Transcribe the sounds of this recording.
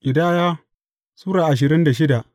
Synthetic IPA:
ʔɪ˨daː˦jaː˦ | suː˦ɽaː˨ʔa˨ʃ̬ɪ˨ɾɪ˦nda˨ʃɪ˦da˨ʔ

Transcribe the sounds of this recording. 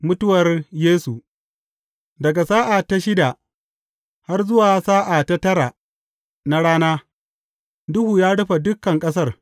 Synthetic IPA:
mʊ˦tʊ˦wɐ˨rjeː˦su˨ | dɐ˨ɡa˨saː˦ʔa˨ta˦ʃɪ˦da˨ | ha˦rzʊ˦waː˨saː˦ʔa˨ta˦tɐ˦ɾa˨ | na˦ɽaː˦naː˦ | dʊ˦huː˨jaː˦ɽʊ˦ɸa˨dʊ˦kːɐ˨ŋkʼɐ˦s̬ɐ˦r

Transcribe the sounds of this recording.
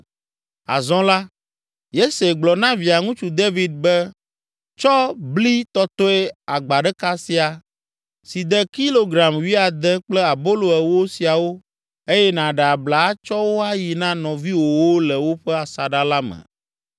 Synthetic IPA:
a̰˨zɔ̃˦la˦ | je˦se˨ɡ͡blɔ˨nã˦vi˨a˨ŋũ˦t͡ʃu˨d̪e˦vi˨d̪̚bɛ˦ | t͡ʃɔ˦bli˦t̪ɔ˦t̪ɔ˦ɛ˦a˨ɡ͡ba˨ɖɛ˦ka˦si˦a˨ | si˨d̪ɛ˦ki˦lo˦ɡɾa˨mwi˦a˨d̪ɛ˦k͡plɛ˦a˨bo˦lo˨ɛ˨wo˦si˨a˨wo˦ | e˦jɛ˦nã˨ɖɛ˨a˨bla˨˦t͡ʃɔ˦wo˦a˦ji˨nã˦nɔ̃˨vi˦wo˨wo˦lɛ˨wo˦ɸɛ˦a˨sa˨ɖa˦la˦mɛ̰̃˨

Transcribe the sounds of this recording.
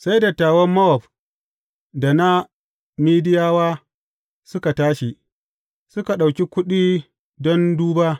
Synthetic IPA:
sa˦jda˨taː˨wɔ˦mːɐ˦wb | da˨na˦ | miː˦dɪ˦jaː˦waː˦ | sʊ˦ka˨taː˦ʃi˨ | sʊ˦ka˨ɗa˨wkʲi˦kʷʊ˦ɗiː˦ | dɔ˦nduː˦baː˦

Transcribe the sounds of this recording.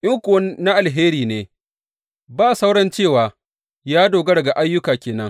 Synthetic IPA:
ʔɪ˦ŋkʷʊ˨wɐ˦na˦ʔa˨lɦeː˦ɾiː˨neː˨ | baː˦˨sa˦wɽɐ˦nt͡ʃeː˦˨waː˨ | jaː˦doː˨ɡɐ˦ɽɐ˨ɡa˨ʔa˦jːʊ˦kaː˨kʲeː˨nɐ˦ŋ

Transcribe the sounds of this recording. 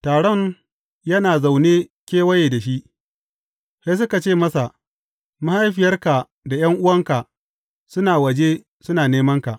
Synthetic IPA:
taː˨ɽɔ˦ɲ | jɐ˦naː˨za˨wneː˦kʲeː˦wɐ˦jeː˨da˨ʃi˦ʔ | sa˦s̬ʊ˦ka˨t͡ʃeː˦˨mɐ˦sa˨ | ma˦ha˦jɸɪ˨jɐ˦rka˨ | da˨jɐ˦ŋʔʊ˦wɐ˦ŋka˨ | sʊ˦naː˨wɐ˨d͡ʒe˦ | sʊ˦naː˨neː˦mɐ˦ŋka˨ʔ

